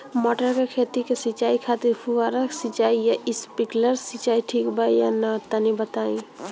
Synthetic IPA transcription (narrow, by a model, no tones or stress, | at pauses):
mɔʈəɾkekʰet̪ikesit͡ʃaːikʰat̪epʰuʋaɾəksit͡ʃaːijaʔispikləɾsit͡ʃaːiʈʰikbʱajanɐt̪ənibət̪aːĩ